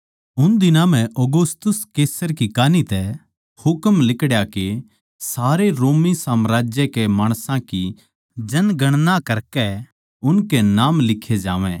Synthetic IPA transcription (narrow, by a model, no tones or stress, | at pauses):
ʊnd̪ɪnãmɛ̃ʔoːɡʊst̪ʊskeːsəɾkikaːnit̪ɛ | hʊkəmlɪkɽjake | saːɾeɾoːmisaːmɾaːd͡ʒjɛkemaːɽ̃sãki | d͡ʒɐnɡɐɽ̃nakɐɾkɛ | ʊnkɛnaːmlɪkʰed͡ʒaːʋɛ̰̃ː